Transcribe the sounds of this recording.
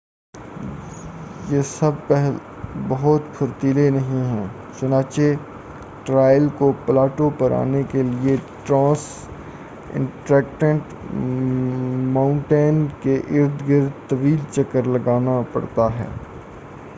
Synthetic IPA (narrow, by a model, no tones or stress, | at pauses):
jesɐb̚pɛɦl | bɐɦʊt̪pʰʊɾt̪iːlenɐɦĩɦɛː | t͡ʃʊnãːt͡ʃe | ʈɾaːjəlkoplaːʈopɐɾa̰ːnekelieʈɾãːs | ɪ̰̃ɳʈɾɛːk̚ʈə̃ɳʈ | mãːʊ̃ɳʈeːnkeʔɪɾd̪ʱɡɪɾt̪ɐʋiːlt͡ʃɐkəɾlɐɡaːnapɐ̰ɽt̪aɦɛ̰ː